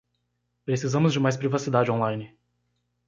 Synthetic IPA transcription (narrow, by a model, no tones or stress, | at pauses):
pɾesizɐ̃mʊzd͡ʒɪmajspɾivasid̪ad͡ʒɪõlãj̃nɪ